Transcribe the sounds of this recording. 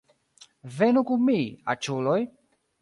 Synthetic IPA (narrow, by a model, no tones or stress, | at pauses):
venukumia̰t͡ʃuloj